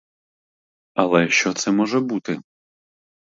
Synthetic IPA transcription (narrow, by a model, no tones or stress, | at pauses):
ɐlˠɛʃt͡ʃɔt̪sɛmɔʒɛbut̪ɪ